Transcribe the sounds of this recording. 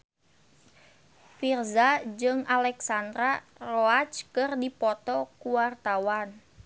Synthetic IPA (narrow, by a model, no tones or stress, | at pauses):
firzad͡ʒɨŋalɛksand̪ɾaroat͡ʃkɨrdipɔt̪ɔkuwart̪awan